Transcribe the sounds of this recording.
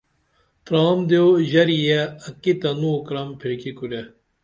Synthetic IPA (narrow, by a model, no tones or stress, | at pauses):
t̪ɾɑːmd̪eoʑɐɾijaɐkit̪ɐnukɾɐmpʰiɾkikuɾɐ